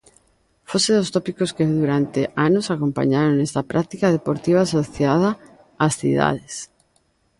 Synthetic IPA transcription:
foseðost̪opikoskeðuɾant̪eʔanosakompa̰ɲaɾoŋnɛst̪ɐpɾʔat̪ikað̞epoɾt̪iβ̞aːsoθjað̞aː | sθḭða̰ðes

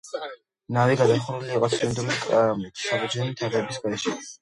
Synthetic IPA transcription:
naviɡad̪aχuɾuliːqʼɔt̪sʰind̪ulikʼm̥ʰsabud͡ʒɛnimt̪ʰɛvɛbisɡɛʃi

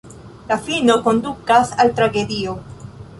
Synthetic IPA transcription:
lafinokond̪ukasalt̪ɾaɡed̪io

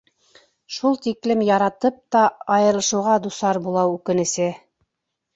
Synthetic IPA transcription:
ʃulˠt̪iklɘmjɑɾɑt̪ɤp̚t̪ɑɑjɤ̆ɾlˠɤ̆ʃɤ̆wʁɑd̪usɑɾbulˠɑwʉkɘ̆nɘ̆sɘ

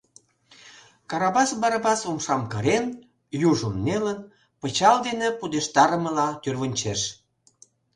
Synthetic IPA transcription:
kɑɾɑβɑsbɑɾɑbɑsomʃɑmkəɾen | juʒəmːelən | pət͡ɕɑld̪enepud̪eʃt̪ɑɾəməlɑt̪yrβənʲt͡ɕeʃ

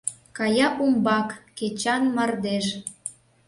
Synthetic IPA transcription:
kɑjɑʔumbɑkːet͡ɕɑnmɑrd̪eʃ

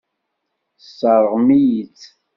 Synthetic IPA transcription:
sːɑɾˤəʁmijit͡sː

